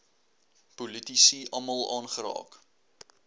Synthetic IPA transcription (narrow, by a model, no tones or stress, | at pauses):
pulitisiʔɐmɐlˠɑ̰ːnχəɾɑ̰ːk